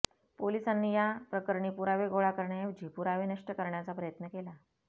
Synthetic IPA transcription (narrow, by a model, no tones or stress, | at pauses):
polisanːiːjapɾəkəɾɳipuɾaʋeɡoɭakəɾɳjaeʋd͡ʑʱipuɾaʋenəʂʈəkəɾɳjat͡sapɾəjət̪nəkela